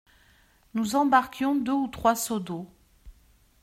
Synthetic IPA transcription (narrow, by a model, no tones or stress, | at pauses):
nuzɑ̃baʁkʲjɔ̃d̪øut̪χwasod̪o